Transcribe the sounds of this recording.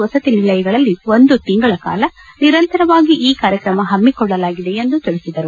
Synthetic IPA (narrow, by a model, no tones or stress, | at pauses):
ʋɐsɐt̪inilːɐjɐɡɐɭɐlːiʋo̞nd̪ut̪iŋɡɐɭɐka̰ːlɐniɾɐnt̪ɐɾɐʋaːɡiʔiːkaːɾjɐkɾɐmɐɦɐmːikɔɭːɐlaːɡid̪e̞end̪ut̪iɭisid̪ɐɾu